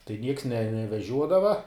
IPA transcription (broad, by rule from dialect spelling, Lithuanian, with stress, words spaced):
tɐɪ nʲiɛks nʲɛ nʲɛʋʲɛˈʒʲuɔdɐʋɐ